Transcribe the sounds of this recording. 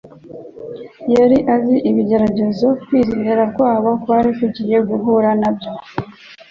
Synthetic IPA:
jaɾiʔaziʔiβiɟe̞ɾaɟe̞zo̞kwiːziɲeɾaɾkwaːβokwaːɾifuɟije̞ɡuɦuɾanabjo

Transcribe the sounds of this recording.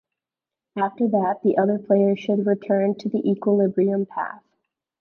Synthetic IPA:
æftə˞ðæt̪̚ðiʔʌðə˞pʰl̥eɪə˞ʃɨd̚ɹɨtʰɜ̃˞ntʰɨðiʔikwəlɪbɹiɨ̃mpʰæ̰θ

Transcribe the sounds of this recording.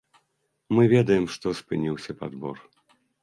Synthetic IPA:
mɨvʲɛd̪ɐjɛmʂt̪ɔspɨnʲiwsʲɐpad̪bɔ̰r

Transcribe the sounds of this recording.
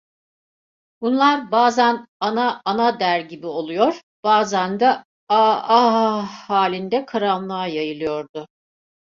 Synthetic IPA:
bunlˠaɾbaːzænanaːnad̪æɾɟibio̞lˠujo̞ɾ | b̥aːzænd̪a | aaɦhaːlʲind̪ɛkʰaɾamlˠaːjajɯlˠɯjo̞ɾd̪ʊ

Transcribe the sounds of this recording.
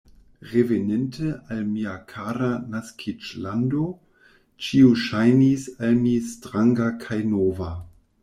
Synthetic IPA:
ʁevenentʰəʔalmiakʰaɾanaskʰit͡ʃlando | t͡ʃiuʃajnisalmistɾaŋɡakʰajnova

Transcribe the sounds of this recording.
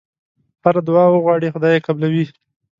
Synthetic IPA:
haɾad̪wɑwəɣwɑɽixʊd̪ɑjekablawi

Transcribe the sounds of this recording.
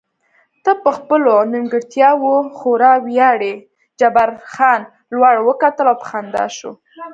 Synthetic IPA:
t̪apəxpəlonimɡəɽt̪jɑwoxoɾɑwjɑɽe | d͡ʒabaɾxɑn | lwaɽwəkat̪əlawpə̥xand̪ɑ̰ʃo̰

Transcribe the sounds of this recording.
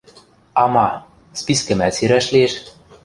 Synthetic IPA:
ɑmɑ | spiskɘ̆mæseɾæʃleʃ

